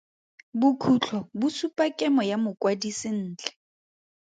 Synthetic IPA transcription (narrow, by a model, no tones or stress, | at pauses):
bʊkʰut͡ɬʰɔbʊsupʼakʼɛmɔjamʊkʼwadisɪn̩ːt͡ɬɛ̥